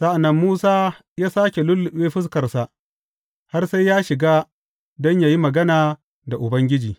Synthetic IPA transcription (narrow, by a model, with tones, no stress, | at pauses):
sa˦ʔa˨nːɐ˦mːuː˦saː˦ | jaː˦saː˦kʲe˨lʊ˦lːʊ˨ɓeː˦ɸɪ˦s̬kɐ˨rsa˨ʔ | ha˦rsa˦jjaː˦ʃɪ˨ɡaː˦ | dɔ˦ɲja˨ji˦mɐ˨ɡɐ˦naː˨ | da˨ʔʊ˨bɐ˦ŋɡʲɪ˦d͡ʒiː˨